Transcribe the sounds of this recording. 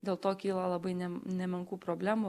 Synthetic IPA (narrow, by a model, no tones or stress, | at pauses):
d̪ʲeːlˠt̪oːkʲiːlˠɐlˠɐbɐɪnʲɛnʲɛmʲɛŋkuːpɾoːbʲlʲæːmu